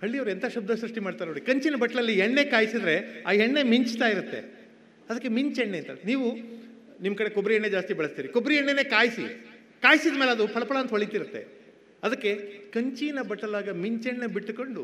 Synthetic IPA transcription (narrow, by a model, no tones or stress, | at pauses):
hɐɭːiɐʋɾent̪ʰaːʃɐb̚d̪ɐsɾɐʂʈimaːɖt̪aːɾnoːɽikɐɲt͡ʃinɐbɐʈːɐɭɐlːiɦeɳːe̞ːkaːjsid̪ɾe̞a̰ːɦeɳːe̞miɲt͡ʃt̪aːjiɾut̪ːe̞̰ | ɐd̪ɐkːemiɲt͡ʃeɳːeɐnt̪a̰niːʋu | nimːɐkɐɽe̞kobɾiɦɛɳːed͡ʒaːst̪ibɐɭɐst̪iːɾikobɾiɦɛɳːene̞ːkaːjsḭ | kaːjsid̪ɐmeːleɐd̪upʰɐɭɐpɐɭɐɐnt̪ɐʋɐɭit̪iɾut̪ːe̞̰ | ɐd̪ɐkːe̞kɐɲt͡ʃinɐbɐʈːɐlaːɡɐmiɲt͡ʃeɳːebiʈːko̞ɳɖu